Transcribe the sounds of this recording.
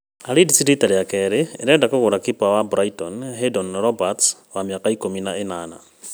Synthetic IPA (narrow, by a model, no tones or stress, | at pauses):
aɾedisɾitaɾejakɛɾeeɾɛdakoɣoɾakipawabuɾaitɔnɦedɔnɾɔbatswamiakaikominaenana̰